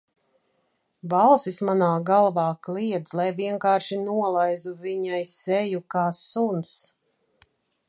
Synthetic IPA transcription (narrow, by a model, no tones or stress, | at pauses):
valˠsismanaːɡalˠvɑːkliɛd̪zlˠajviɛŋkaːɾʃinuɔlˠajzuviɲajsɛjukaːsuns